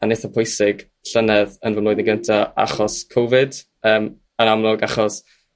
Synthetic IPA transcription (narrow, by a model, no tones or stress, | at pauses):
anɪθapʰɔjsɪɡ̥ | ɬənɛðənvəmloːjdðɪənɡəntʰaa̰χɔskʰowvɪd | əːm | ənamlˠʊɡaχɔs